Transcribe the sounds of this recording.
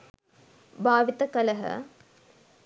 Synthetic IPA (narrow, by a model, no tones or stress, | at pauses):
bʱaːʋit̪ɐkɐlɐɦə̰